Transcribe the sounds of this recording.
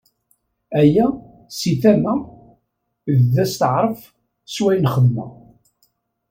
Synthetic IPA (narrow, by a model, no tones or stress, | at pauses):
æjæ | siθæmæ | ððæst̪əʕɾˤəf | swæjnχəðmæ̰